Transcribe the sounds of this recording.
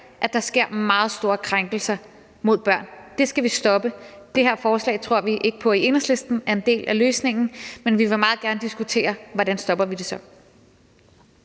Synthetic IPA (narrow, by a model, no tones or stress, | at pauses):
ʔæ̥ɑ̈sɡ̥e̝ɐ̰mɑ̈ːð̞̩ˠsd̥o̝ːɐkʰʁaŋɡ̥l̩sɐ | mo̝ð̰ˠb̥ɶɐ̰nd̥e̝sɡ̥æʋisd̥ɒ̽b̥əd̥e̝ɦeɐ̰fɒːslɛ̰ːt͡sʰʁo̝ɐ̰ʋiʔe̝ɡ̥əpʰɒ̽ie̝nɐsle̝sd̥n̩æɐe̝nd̥e̝̰ːlʔæløːsne̝ŋn̩menʋiʋe̝mɑ̈ːð̩ˠɡ̥æɐnəd̥isɡ̥ut͡sʰe̝̰ːɐʋɒɾænsd̥ɒ̽b̥ɐʋid̥e̝sɒ̽